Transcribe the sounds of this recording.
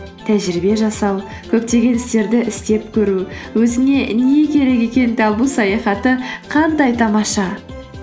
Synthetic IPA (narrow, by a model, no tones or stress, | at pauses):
t̪ʰæʒɪɾɪbe̞ʒɑsɑw | kʲʰɵp̚t̪e̞ɡʲe̞nɪst̪e̞ɾd̪ɪʔɪst̪e̞pkʲʰɵɾuwɵzɪne̞ne̞kʲʰe̞ɾe̞kʲe̞kʲe̞nd̪ɑbusɑjɑχɑt̪əqʰɑnd̪ɑjt̪ʰɑmɑʃɑ